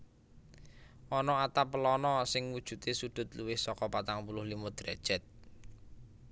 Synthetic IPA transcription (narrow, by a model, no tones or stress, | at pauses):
ʔɔnɔat̪apəlɔnɔsɪŋwud̥ʒ̥ṳt̪esud̪̥ʊ̤t̪̚luwɪhsɔkɔpat̪aŋpulʊhlimɔd̪̥ɾɛd̥ʒ̥ɛt̪̚